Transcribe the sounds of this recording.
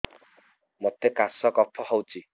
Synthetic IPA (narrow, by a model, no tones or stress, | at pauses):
mɔtekasɔkɔpʰɔɦɔwt͡ʃi